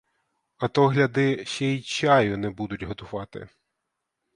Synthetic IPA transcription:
ɐt̪ɔɦlʲɐd̪ɪʃɛit͡ʃɑjʊnɛbud̪ʊtʲɦɔt̪ʊʋɑt̪ɪ̰

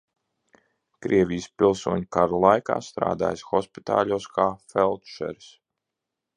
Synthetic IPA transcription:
kɾiɛvʲijspʲilˠsuɔɲukaɾulˠajka̰ːst̪ɾa̰ːd̪a̰ːjsxɔspi̥t̪a̰ːʎʲuːskʰaːfɛlˠt̪ʃɛ̰ɾs

